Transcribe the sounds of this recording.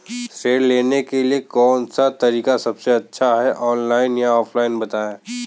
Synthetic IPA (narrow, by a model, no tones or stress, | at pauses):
seːɽleːnekeliekɔːnsat̪ɐɾiːkasɐbseɐtːʃʰaɦɛʔɔːnlaːɪnjaɔːfʰlaːɪnbɐt̪aːẽː